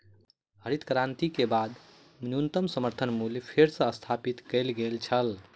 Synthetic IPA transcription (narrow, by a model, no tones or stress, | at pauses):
ɦəɾit̪kɾãnt̪ikebad̪ | mnjunt̪əmsəməɾt̪ʰənmuljepʰeɾsə̃əst̪ʰapit̪kəlɡelt͡ʃʰəl